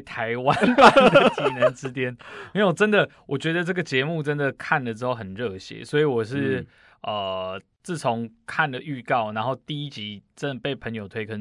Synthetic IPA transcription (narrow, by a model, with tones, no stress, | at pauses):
t̪ʰa˧˦ɪwa˦nfa˥˩nn˧d̪ə˨˩˧t͡ɕi˧˨˥nə˨˧˦nt͡sɻ̩˥t̪jɛ˥n˥wɔ˨˩ʈ͡ʂə˦nd̪ə˨ | wɔ˨˩t͡ɕɥɛ˧˥d̪ə˨ʈ͡ʂɤ˥˩ɡə˨t͡ɕjɛ˧˦mu˥˨ʈ͡ʂə˦˥nd̪ə˨kʰa˥˩nlə˩ʈ͡ʂɻ̩˥xo˥˩hə˨˩nɻɤ˥˩ɕjɛ̰˦swɔ˧˥i˨˥wɔ˨˩ʂ̬ɻ̩˥˩ | ə˨˩ | t͡sɹ̩˥˩t͡sʰʊ˧˦ŋkʰa˥˩nlə˨ʔy˥˧kɑ˥˩ʊna˧˦nxo˥˧ʊt̪i˥˧i˥t͡ɕi˧˥˦ʈ͡ʂə˥˩n˩pe˥˩ɪpʰə˧˦ŋjo˨˩ʊt̪ʰwe˥ɪkʰə˧˦